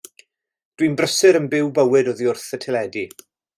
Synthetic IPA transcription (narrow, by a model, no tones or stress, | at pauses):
d̥winbrəsɨɾənbɪwbəwɨdɔðiʊrθətʰɪlɛdi